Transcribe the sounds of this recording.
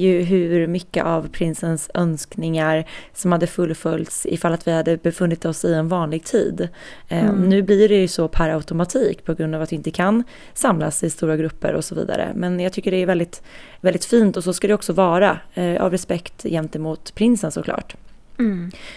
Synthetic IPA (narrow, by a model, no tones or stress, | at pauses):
jɵɦʉɾmʏkːə̰ʔavpʰɾɪnsənsœnsknɪŋaɾsɔmhad̪ːəfɵlːfœlt̪sɪ̰falːat̪vɪhad̪ːəbɛfɵnːɪt̪ɔsɪɛnvɑːnlɪɡ̚t̪ʰḭːd̪ | ɔnʉ̟ːblɪɖɛjɵsɔpʰæɾaʊt̪ʊmat̪ʰiːkpʰɔɡɾɵnd̪aːvat̪d̪ɪɪnt̪əkʰan | samla̰sɪst̪uːɾaɡɾɵpːə̰ɾɔ̰sɔvḭːd̪a̰ɾə̰mɛnjaɡt̪ʰʏkːəɖɛæɾvɛld̪ɪt̪ | vɛld̪ɪt̪fiːnt̪ɔsɔskad̪ɛɔksɔvɑːɾaʔa̰vɾɛspɛkt̪jɛmt̪əmuːt̪pʰɾɪnsənsɔkʰlɑ̰ːʈ